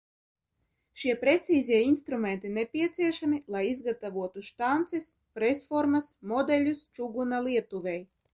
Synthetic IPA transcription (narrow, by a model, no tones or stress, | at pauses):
ʃiɛpɾet̪siːzʲiɛinst̪ɾumɛnt̪inepʲiɛt̪siɛʃamʲilˠajizɡat̪avuɔt̪uʃt̪ant̪sis | pɾɛsfɔɾmasmɔd̪ɛlʲust͡ʃuɡunalˠiɛt̪uvʲɛj